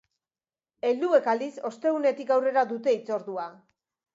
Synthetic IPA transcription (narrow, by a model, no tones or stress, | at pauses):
e̞ld̪ue̞kald̪iso̞st̪e̞ɣune̞t̪ikawre̞ɾaðut̪e̞it͡so̞ɾðua